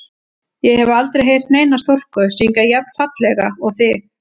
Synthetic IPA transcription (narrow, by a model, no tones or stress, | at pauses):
jɛhɛvʏalt̪ɾejɦejr̥t̪neːjnast̪or̥kʏsiŋkajɛp̚n̥fat̪lɛɣaɔɣθɪx